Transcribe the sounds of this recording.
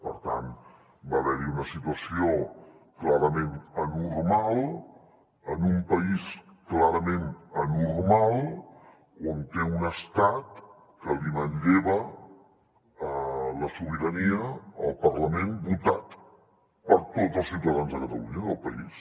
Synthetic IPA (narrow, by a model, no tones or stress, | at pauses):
pə̰ɾt̪a̰n | baβɛɾiunəsit̪uəsio | klaɾəmenənurmalˠ | ənumpəis | klaɾəmenənurmalˠ | ont̪eunəst̪at̪ | kəlimənʎeβə | ələsuβ̞iɾəniəəlˠpərləmẽnbut̪at̪ | pəɾt̪otəlˠsiuwt̪əðanzðəkət̪əluɲəðəlˠpəis